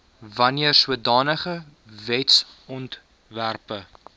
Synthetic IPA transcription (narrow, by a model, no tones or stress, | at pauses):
vɐniərsuədɑːnəχə | vɛts | ɔnt | værpə